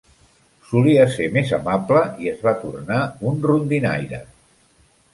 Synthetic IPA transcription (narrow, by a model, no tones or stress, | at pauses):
suliəsemezəmapləiəzβat̪urnaunrund̪ina̰jɾə̰